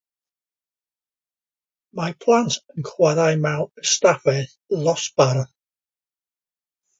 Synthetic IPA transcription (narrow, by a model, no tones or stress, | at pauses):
mapʰlˠantʰənkʰwaðajmawəstafɛθ | lˠɔsbaɾ